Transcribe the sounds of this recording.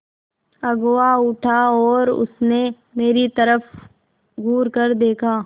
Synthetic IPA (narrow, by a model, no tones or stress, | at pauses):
ɐɡwaʊʈʰaɔːɾʊ̰sne | meːɾit̪ɐɾəf | ɡʱuːɾkɐɾd̪eːkʰaː